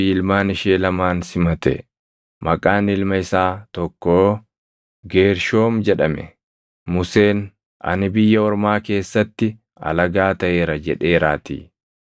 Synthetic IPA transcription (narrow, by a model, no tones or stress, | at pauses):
iːlmaːnɪʃeːlɐmaːnsɪmɐt̪ɛ̰ | mɐkʼaːnɪlmɐɪsaːt̪ɔkːoː | ɡe̞ːɾʃo̞ːmd͡ʒɛᶑɐmɛ̰ | mʊse̞ːn | ɐ̰nɪbɪjːɐɔɾmaːke̞ːsːɐt̪ːɪ | ɐ̰lɐɡaːt̪ɐʔe̞ːɾɐd͡ʒɛᶑe̞ːɾaːt̪ḭː